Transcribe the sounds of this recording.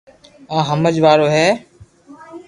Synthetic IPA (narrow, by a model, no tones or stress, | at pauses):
ãːɦəməd͡ʒʋaːɾoːɦɛː